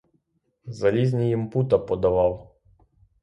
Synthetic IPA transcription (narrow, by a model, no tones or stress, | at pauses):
zɐlʲizʲnʲijimput̪ɐpɔd̪ɐʋɑw